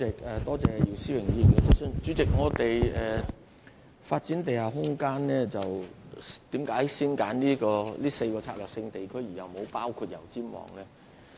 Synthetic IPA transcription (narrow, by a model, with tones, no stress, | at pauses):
ɪ˨k̚ɛː˨t̪ɔː˥t͡sɛː˨ji˨˩wsiː˥wɪ˨˩ŋjiː˧˩nkɛ˧sɔ˥sœ˥ŋt͡ʃyː˨˥t͡sɪ˨k̚ŋɔː˨˧t̪e˨jɛː˨˩ | faː˧t̚t͡siː˨˥nt̪e˨jhaː˨ɦʊ˥ŋkaː˥nlɛː˥t͡sɐ˨wt̪iː˨˥mkaː˨˥jsiː˥nkaː˨˥nliː˥kɔː˧liː˥se˧jkɔː˧t͡sʰaː˧˥lœː˨k̚sɪ˧ŋt̪e˨jkʰɵ˥ɥjːjɐ˨wmo˨˧wpaː˥wkʰuː˧t̚jɐ̰˨˩wt͡siː˥mwɔ̰ː˨˩ŋlɛː˥